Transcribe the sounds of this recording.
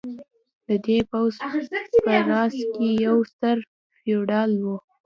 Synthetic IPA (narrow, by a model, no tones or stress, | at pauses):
d̪̥əd̪epawzpəɾɑskejawst̪əɾ | fioɖɑlwu